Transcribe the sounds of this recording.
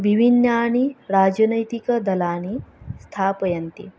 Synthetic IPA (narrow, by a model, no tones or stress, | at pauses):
ʋibʱinːɐaɽ̃iɾaːd͡ʒɐnəjt̪ikəd̪ɐlaːɽ̃ist̪ʰapɐjɐnt̪ḭ